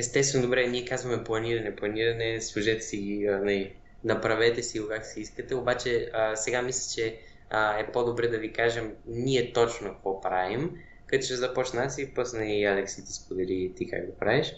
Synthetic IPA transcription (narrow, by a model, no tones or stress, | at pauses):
ɛst̪ɛst̪vɛnod̪obɾɛniɛkazvɐmɛplˠɐniɾɐnɛplˠɐniɾɐnɛslˠuʒɛt̪ɛ̥siɡiənɐli | nɐpɾɐvɛt̪ɛsiokaksiiskət̪ɛobat͡ʃɛəsɛɡamislʲit͡ʃɛ | əɛpod̪obɾɛd̪ɐvikaʒɛmniɛt̪ɔt͡ʃnokkvɔpɾavim | kət̪oʃɛzɐpɔt͡ʃnasipɔsnɛialɛksit̪ɛ̥spod̪ɛlit̪ika̰kd̪opɾavɛʃ